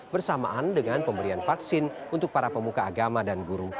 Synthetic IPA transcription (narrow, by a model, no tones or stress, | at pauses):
bərsama̰ʔandəŋanpəmbəɾianfaksɪnunt̪ʊk̚paɾapəmukaːɡamadanɡuɾu